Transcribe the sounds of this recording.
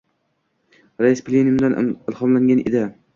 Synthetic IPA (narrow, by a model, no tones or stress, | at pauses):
ɾaɪsplʲenɪmd̪anɪlˠhɒmlaŋɡʲanʔḛd̪ɪ